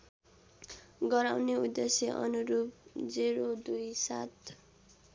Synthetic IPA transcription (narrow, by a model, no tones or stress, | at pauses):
ɡʌɾawneud̪ːesjeʔʌ̰nuɾupd͡ziɾod̪ujsat̪